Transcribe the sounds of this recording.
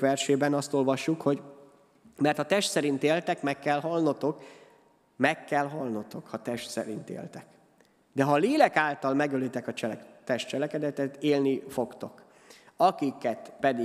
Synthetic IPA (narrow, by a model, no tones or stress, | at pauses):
ʋɛrʃeːbɛnɒst̪o̞lvɒʃːukho̞ɟ | mɛrt̪ɒt̪ɛʃt̪sɛɾint̪eːlt̪ɛkmɛkːɛlɦɒlnot̪o̞k | mɛkːɛlɦɒlnot̪o̞khɒt̪ɛʃt̪sɛ̰ɾḭnt̪ḛːlt̪ɛk | d̪ɛɦɒleːlɛkaːlt̪ɒlmɛɡølit̪ɛkɒt͡ʃɛt̪ɛʃt̪t͡ʃɛlɛkɛd̪ɛt̪ɛt̪eːlnifo̞kt̪o̞k | ɒkikɛt̪pɛd̪i